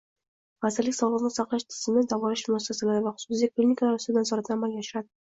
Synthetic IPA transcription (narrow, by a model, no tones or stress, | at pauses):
ʁazɪɾlɪkʲsɒʁlˠəʁnɪsɑqlˠɪʃt̪ʰɪ̥z̥ɪmɪzd̪ɒvʁɑlɪʃmʊnasːasalaɾɪvaχʊ̥su̥sid̪aklʲinʲikalˠaɾʊst̪ɪd̪ansɒɾat̪ʰnamalɡʲajaʃɪɾad̪ɪ